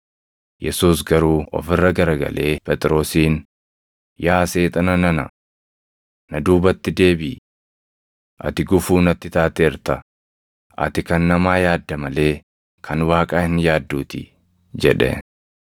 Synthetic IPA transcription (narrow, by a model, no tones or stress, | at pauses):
jɛsuːsɡɐɾuːɔ̰fɪrːɐɡɐɾɐɡɐ̰lʔe̞ːpɛt̪ʼɾo̞ːsiːn | jaːse̞ːt̪ʼɐnɐnɐnɐ̰ | nɐd̪uːbɐt̪ːɪd̪e̞ːbiː | ʔɐ̰t̪ɪɡʊfuːnɐt̪ːɪt̪aːt̪eɪɾt̪ɐ | ʔɐ̰t̪ɪkɐnːɐmaːjaːd̪ːɐmɐle̞ː | kʰɐnwaːkʼaːhɪnjaːd̪ːuːt̪ɪ̰ | d͡ʒɛᶑɛ̰